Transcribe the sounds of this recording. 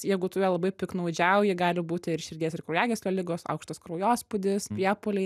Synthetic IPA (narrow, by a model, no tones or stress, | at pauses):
jɛɪɡʊt̪ʊʋʲiɛlˠɐbɐɪpʲɪknɐʊd͡ʒʲɛʊjɪɡɑːlʲɪbuːt̪ʲɪɪɾʃʲɪɾʲɡʲiːsɪɾkɾʊːjæːɡʲɛːsʲlʲoːlʲɪɡoːsɐ̰ʊkʃt̪ɐskɾoʊjoːspʊd̪ʲɪspʲɾʲiɛpoːlʲɛɪ